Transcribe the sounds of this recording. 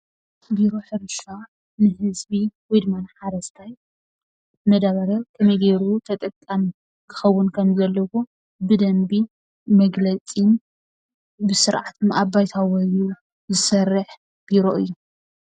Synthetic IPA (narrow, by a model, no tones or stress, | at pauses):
biɾo̞ħɨɾʃa | nɨhɨzbiwujd̪ɨmanħaɾɐst̪ʰaj | mɐd̪aβɐɾɐkʰɐmɐjɡeɾut̪ʰɐt̪ʼɐkʼːam | kʰɨ̥xɐwːʊnkʰɐmzɐlːɐwo | bɨd̪ɐmbi | mɐɡlɐt͡sʼin | bɨsɨɾʕat̪ʰɨmʔabːajt̪ʰawɐju | zɨsɐrːɨħ | b̥iɾo̞ʔɨjːu